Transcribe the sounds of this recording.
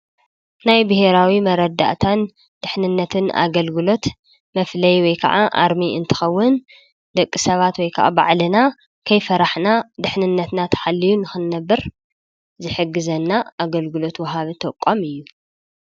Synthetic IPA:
najbɨhe̞ɾawimɐɾɐd̪ːa̰ʔt̪ʰan | d̪̥ɨħnɨnːɐt̪ʰɨna̰ɡɐlɡɨlo̞t̪ | mɐflɐjwɔjkʰɐʕaʔa̰ɾmiɨ̰nt̪ʰɨ̥xɐwːʊn | d̪̥ɐkʼːɨsɐβat̪wɔjkʰɐ̰ʔa̰ba̰ʕlɨna | kʰɐjfɐɾaħnad̪ɨħnɨnːɐt̪nat̪ʰɐ̥ħalːijunɨxɨnːɐbːɐɾ | zɨħɨɡːɨzɐnːaaɡɐlɡɨlo̞t̪wɐɦaβɨt̪ʰɐkʼːomɨjːu

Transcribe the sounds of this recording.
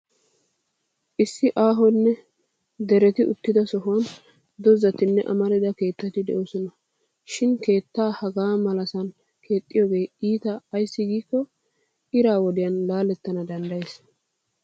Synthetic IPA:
ʔɪsːɪʔaːɦɔnːɛ | d̪ɛɾɛt̪ɪʔʊ̰t̪ːɪd̪ɐsɔɦʊn | d̪ɔzɐt̪ɪnːɛʔɐ̰mɐɾɪd̪ɐke̞ːt̪ːɐt̪ɪd̪ɛ̰ʔoːsɔnɐ | ʃɪnke̞ːt̪ːaːhɐɡaːmɐlɐsɐn | kʰe̞ːt̪ʼːɪjoːɡe̞ːiːt̪ɐːjsːɪɡiːkːɔ | ɪɾaːwɔd̪ɪjɐnlaːlɛt̪ːɐnɐd̪ɐnd̪ɐjes

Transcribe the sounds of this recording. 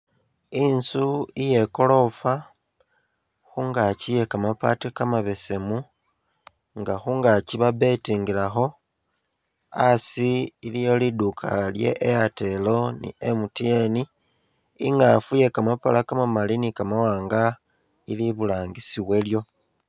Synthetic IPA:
insuije̞ko̞lo̞fa | xuŋɡacije̞kamapatikamaβe̞se̞mu | ŋɡaxuŋɡaciβaβe̞tiːŋɡilaxo̞ | asiilijo̞lidukʰa̰lje̞̰ʔejate̞lo̞nḭemutjeni | ḭŋɡafuje̞kamapalakamamalinikamawaːŋɡa | iliβulaːŋɡisiβwe̞ljo̞

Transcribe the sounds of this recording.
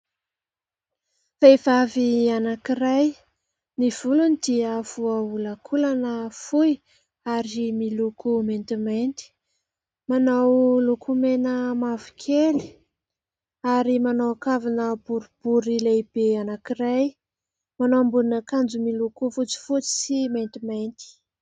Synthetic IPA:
faiv̥avianakiɾaj | niv̥ulunid̪iavuaulakʰulanəfuj | aɾimilukument̪iment̪i̥ | manawlukʰumenəmavu̥kʰeli̥ | aɾimanowakavinəbuɾub̥uɾilajb̥eanakiɾaj | manowambuninakand͡zumilukufut͡si̥fut͡si̥siment̪iment̪i̥

